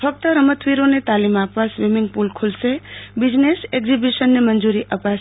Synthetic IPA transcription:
pʰək̚t̪əɾəmət̪ʰʋiɾonet̪alimapʋasʋimiŋɡ̚pulkʰulʃebid͡ʒneseɡzibiʃənːemənd͡ʒuɾiʔəpaʃ

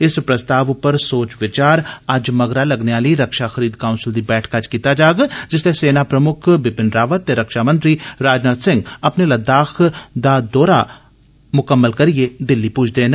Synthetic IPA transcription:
ɪspɾɐst̪aːʋpɐɾsoːt͡ʃʋɪt͡ʃaːɾad͡ʒmɐɡɾalɐɡneaːliɾɐkʃaxɐɾiːd̪kaːʊnsɪld̪ibɛːʈʰkad͡ʒkiːt̪ad͡ʒaːɡad͡ʒɪsleseːnapɾɐmʊkʰbɪpɪnɾaːʋət̪ːeɾɐkʃamə̃nt̪ɾiɾaːd͡ʒnat̪sɪ̃ŋɡɐpnelɐd̪aːxʰd̪ad̪ɔːɾa | mʊkəmːəlkɐɾied̪ɪlːipʊːt͡ʃʰd̪eːn

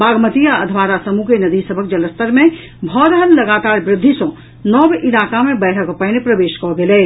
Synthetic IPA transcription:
baːɡmət̪ijaəd̪ʱʋaːɾasəmukenəd̪isəbʱək̚d͡ʒələst̪əɾmẽ | bʱɔːɾəɦənləɡaːt̪aːɾbɾɪd̪ʱːisɔ̃ | nɔːbʔɪlaːkamẽbɛːʈʰəkpənepɾəʋeːʃkɔɡeleː

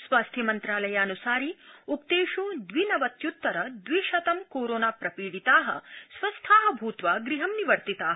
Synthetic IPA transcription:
sʋaːst̪ʰjɐmɐnt̪ɾaːlɐjaːnusaːɾiukt̪eːʃud̪ʋinɐʋɐt̪jut̪ːɐɾɐd̪ʋiʃɐt̪ɐmkoːɾoːnaːpɾɐpiːɽit̪aːɦɐ̰sʋɐst̪ʰaːɦɐbʱuːt̪ʋaɡɾiɦɐmniʋɐɾt̪it̪aːɦɐ

